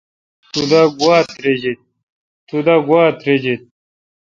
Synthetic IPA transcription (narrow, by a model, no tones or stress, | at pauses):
t̪ud̪aɡwaːt̪ɾed͡ʑit̪̚ | t̪ud̪aɡwaːt̪ɾed͡ʑet̪̚